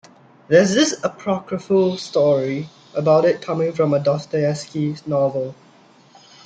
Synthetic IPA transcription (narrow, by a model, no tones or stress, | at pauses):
ðɛzdɪsəpʰɹɔkɹəfəlstɔɹi | ʔəbaʊtɪt̚kʰamɪ̃ŋfɹɔ̃mədɔstəɛskinɔvəl